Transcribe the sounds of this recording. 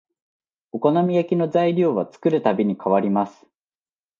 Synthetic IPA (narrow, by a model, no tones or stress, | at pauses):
o̞ko̞namʲijakʲino̞zaiɾʲo̞ːβat͡sɨ̥kɯ̟ɾɯ̟t̪abʲiɲ̟ikʰaβaɾʲimasɨ̥